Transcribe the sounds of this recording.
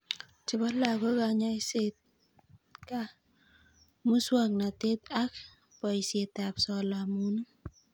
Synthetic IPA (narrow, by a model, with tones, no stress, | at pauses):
t͡ʃɪ˨bɔ˦la˨ɡo˦ka˨ɲa˦i˦se˦t̪̚ | ka˦ | mu˦swa˦ŋna˨t̪e˦t̪̚a˦k | pɔ˨i˨sje˨t̪a˨psɔ˨la˨mu˦nu˦